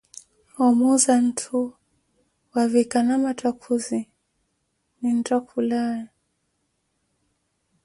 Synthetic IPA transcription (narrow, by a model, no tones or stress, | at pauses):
ɔmuzan̩tʰu | wavikanamatʰakʰuzi | nin̩tɔkulaja